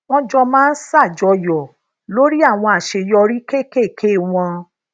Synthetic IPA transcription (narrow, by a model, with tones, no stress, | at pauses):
w̃ɔ̃˦d͡ʒɔ˧mãː˦n̩˦sa˦˨d͡ʒɔ˧jɔ˨ | lo˦ɾi˦a˦˨w̃ɔ̃˧a˨ʃe˧jɔ˧ɾi˦ke˦˨ke˦˨kʰe˦˨w̃ɔ̃˧